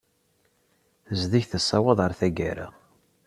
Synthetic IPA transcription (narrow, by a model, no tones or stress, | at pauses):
zðiçθəsːɑwɑðˤʁəɾˤθæɡæɾa̰